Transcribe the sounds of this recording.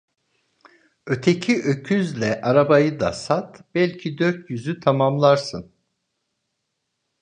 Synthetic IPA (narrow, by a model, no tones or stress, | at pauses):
ø̞t̪ʰecʰiʔøcʰyzlʲɛʔaɾabajɯd̪a̰sat̪b̥ɛlʲcʰid̪øɾt̪jyzyt̪ʰamamlˠaɾsɯn